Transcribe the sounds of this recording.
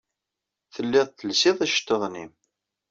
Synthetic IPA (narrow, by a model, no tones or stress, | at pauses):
θəlːɪðˤθəlsɪðˤæʃt̪ːəðˤnim